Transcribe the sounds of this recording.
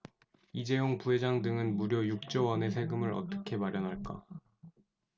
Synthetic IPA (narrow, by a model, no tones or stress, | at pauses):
id͡ʑe̞joŋpuɦe̞d͡ʑaŋdɯŋɯnmuɾjojuk̚t͡ɕ͈ʌwʌne̞sʰe̞ɡɯmɯɾʌ̰t͈ʌkʰe̞maɾjʌnɦaɭk͈a̰